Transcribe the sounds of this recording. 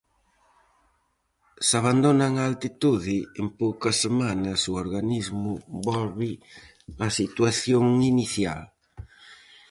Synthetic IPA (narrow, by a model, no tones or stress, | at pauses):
saβ̞and̪onɐŋaːlt̪it̪uðɪempowkɐsemanɐsuoɾɣanizmʊbɔlβɪ | ɐsit̪waθjoŋiniθja̰l